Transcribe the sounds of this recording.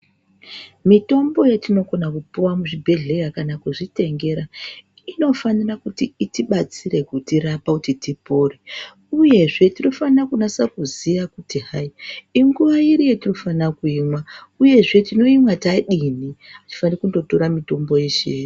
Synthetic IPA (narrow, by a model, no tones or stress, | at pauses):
mito̞mbo̞jetino̞ɡo̞nakupuwamuʐibʱe̞ɮe̞jakanakuʐite̞ŋɡe̞ɾa | ino̞fanirakutiːtiɓat͡siɾe̞kutiɾapakutitipoːre | uje̞ʐe̞tiro̞fanrakunasakuziʋakutiɦaiiŋɡuʋaiɾijetirofanakuimwauje̞ʐe̞tino̞imwataɗiniati̥fanirekundo̞to̞ɾamito̞mbo̞jeʃeː